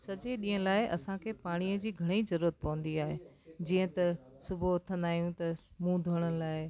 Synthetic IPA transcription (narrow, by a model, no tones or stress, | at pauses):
sɐd͡ʑeɗĩːɦə̃laːɪʔɐsãkʰeːpaːɽ̃iəd͡ʑiːɡʱɐɽ̃eizɐɾuːɾət̪̚pɐʋə̃n̆d̪iaːɦe | d͡ʑiːə̃t̪ɐsʊbʱʊɐt̪ʰə̃nd̪aːɦijũt̪ɐmũd̪ʱoɽ̃əlaːɪ